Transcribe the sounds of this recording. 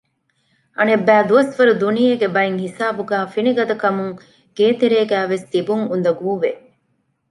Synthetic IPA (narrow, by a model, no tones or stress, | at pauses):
ɐnebæːd̪uɐsʋɐɾud̪unijeɡebɐiŋhisaːbuɡæːfiniɡɐd̪ɐkɐmuŋ | ɡ̥eːt̪eɾeːɡæːʋest̪ibuŋund̪ɐɡuːʋe